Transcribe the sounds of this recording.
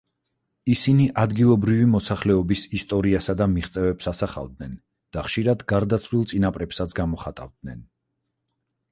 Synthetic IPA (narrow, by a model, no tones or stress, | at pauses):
isiniʔad̪ɡilˠɔbɾivimɔsaχlɛɔbisist̪ʼɔɾiasad̪amiχt̪sʼɛvɛpsasaχa̰vd̪̚nɛn | d̪̥aχʃiɾad̪ɡaɾd̪at̪sʰlilˠt̪sʼinapʼɾɛpsat̪sʰɡamɔχat̪ʼa̰vd̪̚nɛn